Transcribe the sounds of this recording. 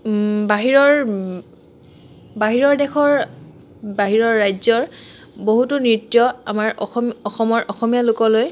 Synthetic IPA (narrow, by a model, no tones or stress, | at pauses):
baɦiɹɔɹ | baɦiɹɔɹdɛxʰɔɹ | baɦiɹɔɹːajzɔɹ | boɦutʊnɹitːijɔa̰maɹɔɔxɔmɔɹʔɔxɔmijalʊkɔloj